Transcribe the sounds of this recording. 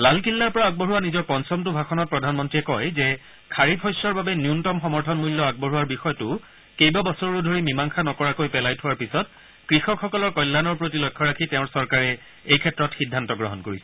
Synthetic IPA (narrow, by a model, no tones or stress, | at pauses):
lalkilːaɹpɔɹaaɡ̚bɔɹuwanizɔɹpɔnsɔmtʊbʱaxɔnɔt̚pɹɔdʱanmɔntɹiɛkɔjzɛ | kʰaɹipʰɔjsɔɹbabɛnjuntɔmxɔmɔɹtʰɔnmulːɔaɡ̚bɔɦuwaɹbixɔjɔtʊ | kejbabɔsɔɹɹʊdʱoɹimimaŋxʰanɔkɔɹakojpɛlajtʰʊwaɹpisɔt̚ | kɹixɔkxɔkɔlɔɹkɔjlːanɔɹpɹotilojkʰːɔɹakʰitɛʊ̃ɹsɔɹkaɹɛ | ejkʰɛtɹɔtxidʱːantɔɡɹɔ̰ɦɔnkoɹisɛ̥